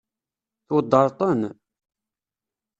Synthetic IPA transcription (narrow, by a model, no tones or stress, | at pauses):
θwəd̪ːəɾˤt̪ˤən